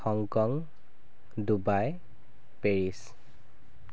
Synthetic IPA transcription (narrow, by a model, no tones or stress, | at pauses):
xɔŋkɔŋ | dubaj | peɹis